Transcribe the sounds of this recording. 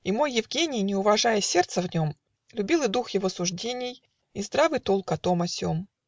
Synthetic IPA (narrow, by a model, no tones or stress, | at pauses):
imo̞jːɪvɡʲenʲɪjnʲɪʊvɐʐajəsʲe̞rt̪səvnʲo̞m | lʲʉbʲilˠɨjd̪uxjɪvosʊʐdʲenʲɪj | izd̪ɾavɨjt̪olˠkɐt̪o̞mɐsʲom